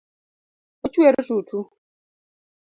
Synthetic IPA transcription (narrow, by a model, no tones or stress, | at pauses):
ɔt͡ʃueɾɪzutʰu